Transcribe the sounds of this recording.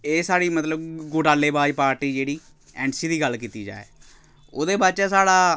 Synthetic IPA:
eːsaːɽiːmət̪ləbɡʊʈaːleːbaːd͡ʒpaːɾʈiːd͡ʒeːɽiː | ɛ̃ːɳsiːd̪iːɡəlkiːt̪iːd͡ʒa̰ːḛː | o̰ːd̪eːbaːt͡ʃɛːsaːɽaː

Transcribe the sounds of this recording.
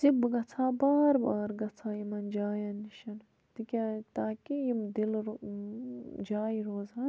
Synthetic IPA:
sibɡɐt͡sʰaːbaːɾbaːɾɡɐt͡sʰaːjimɐnd͡ʒaːjɐnːiʃɐn | t̪ikʲaːt̪aːkijimd̪il | d͡ʒaːjiɾoːzaːn

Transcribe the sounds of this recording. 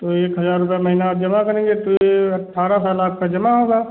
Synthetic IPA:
t̪oeːkɦɐzaːɾːʊpjamɐɦiːnaaːp̚d͡ʒɐmakɐɾẽːŋɡet̪oeɐʈʰːaːɾasaːlaːp̚kad͡ʒɐmaɦoːɡaː

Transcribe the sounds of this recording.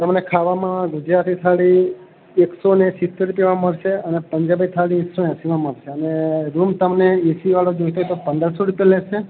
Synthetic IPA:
t̪əmnekʰaʋamãɡʊd͡ʒɾat̪it̪ʰaɭi | eksonesɪt̪ːeɾupjeʋãməɭʃeənepəɲd͡ʒabit̪ʰaɭisoasiʋãməɭʃeəneɾumt̪əmneesiʋaɭod͡ʒojt̪ʰoɦet̪opə̃nd̪əɾsoɾupjeleʃe

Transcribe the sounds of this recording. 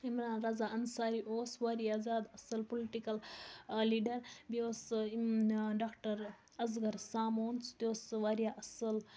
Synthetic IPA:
imɾaːnɾɐzaːʔɐnsaːɾiʔoːsʋaɾijazaːd̪ɐsɐlpoliʈikɐlliːɖɐɾbioːs | ɖaːkʈɐɾ | ɐzɡɐɾsaːmoːnst̪joːsʋaɾijaːʔɐsɐl

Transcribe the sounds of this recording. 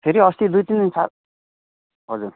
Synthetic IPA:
pʰeɾiʌst̪id̪ujt̪ind̪insa | ɦʌd͡zur

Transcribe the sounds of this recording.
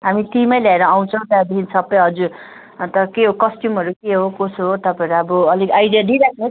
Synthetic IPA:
ɦamiʈimʌjljaeɾʌːw̃t͡sʰʌ̃w̃t̪ad̪iinsʌbːʌjɦʌd͡zuɾ | t̪ʌkeɦokʌsʈjumʌɾukeɦokosɦot̪ʌpãẽɾuʌbʌʌliɡajdijaɖiɾakʰne

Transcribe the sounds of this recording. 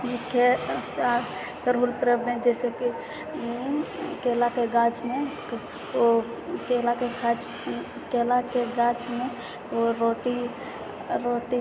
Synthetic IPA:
jikea | səɾulpɾebẽd͡ʒɛseki | kelakeɡad͡ʒme | o | kelakeɡat͡ʃ | kelakeɡat͡ʃme | oɾoʈi | ɾoʈi

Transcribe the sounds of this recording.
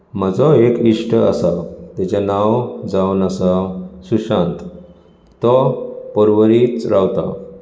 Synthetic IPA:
m̤əd͡zɔekiʂʈəasat̪at͡ɕanawd͡zawnasasuɕãnt̪ | t̪ɔpɔɾʋəɾit͡sɾawt̪a̰

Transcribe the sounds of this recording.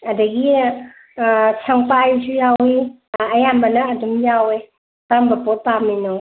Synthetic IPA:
ɐdɐɡi | sʰaŋpajsujawi | ɐjambɐnɐɐdumjawe | pambɐpot̚paminɔ

